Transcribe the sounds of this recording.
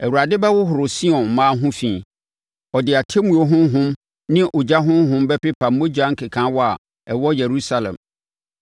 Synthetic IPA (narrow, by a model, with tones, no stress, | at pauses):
ɛ˨wu˨ɾa˨dɪ˦bɛ˦wʊ˦ɦʊ˨ɾʊ˨si˦ɔ̃˨n˨mãː˦ɦʊ̃˦fĩː˨ | ɔ˨dɪ˨a˨tʰe˦mũ˨o˨ɦʊ̃˦ɦʊ̃˦m | nɪ̃˦ʔʊ˨d͡ʑa˦ɦʊ̃˦ɦʊ̃˦m˦bɛ˦pɪ˦pʰa˨mː˦o˦d͡ʑa˦ŋ̩˦kʰɪ˨kʰã˨˦wɔ˦a̰˨ | ɛ˨wɔ˦jɛ˨ɾu˦sa˨lɛ̰̃˨m